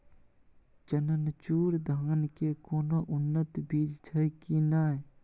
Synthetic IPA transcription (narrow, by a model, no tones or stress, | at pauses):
t͡ʃənənt͡ʃuːɾd̪ʱaːnkekoːnoʔʊnːət̪biːd͡ʒd͡ʒʰəjkinaː